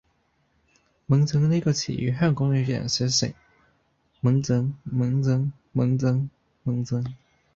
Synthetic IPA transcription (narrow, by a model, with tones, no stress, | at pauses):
mə˧˥ŋt͡sɤ˧˥ŋlə˥˧i˥ɡə˧t͡ɕʰḭ˨˩ʔy̰˧˥ɦa˥˩nkʊ˥ŋly˧˥ɕɛ̰˨˩nɕɛ˧˥ʂḛ˨˩˦ | mə˧˥ŋt͡sɤ˧˥ŋmɤ˧˥ŋt͡sɤ˥ŋ | mɤ˧˥ŋt͡sɤ˥ŋ | mə˧˥ŋt͡sɤ˧˥ŋ